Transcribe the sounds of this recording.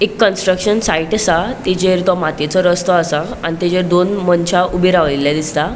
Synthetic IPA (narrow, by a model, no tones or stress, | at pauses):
ekːənsʈɾəkʂənsaiʈəsat̪id͡ʑeɾt̪ɔmat̪et͡sɔɾəst̪ɔasa | añit̪ed͡ʑeɾd̪onmənt͡ɕʰaubʱeɾaʋliljad̪ist̪a